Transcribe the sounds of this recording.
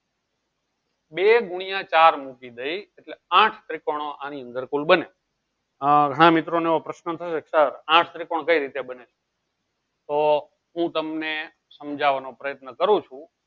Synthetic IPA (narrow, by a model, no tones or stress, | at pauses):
beɡuɽ̃ijãt͡ʃaɾmukid̪əieʈleãʈʰt̪ɾikoɽ̃oʔaniə̃nd̪əɾkulbəne | ɡʱəɽ̃ãmit̪ɾoneʋopɾəʃnət̪ʰəʃeksəɾãʈʰt̪ɾikoɽkəiɾit̪ebəneʃe̥ | t̪o | ɦũt̪əmne | səmd͡ʒʱaʋanopɾəjət̪nəkəɾũt͡ʃʰũ